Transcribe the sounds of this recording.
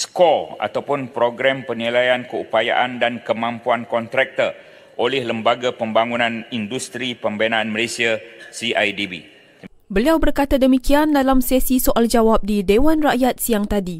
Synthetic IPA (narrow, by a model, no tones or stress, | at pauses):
skɔa̰t̪awpʊnpɾoɡɾɛmpərnilajankəupaja̰ʔandankəmãmpuankɔnt̪ɾɛk̚t̪ər | ʔolɛhləmbaɡapəmbaŋunãnindust̪ɾipəmbenaːnməlesiasiajdibi | bəliawbərkat̪adəmikiandalamsesisoʔald͡ʒawap̚didewanraʔjat̪̚siaŋt̪adi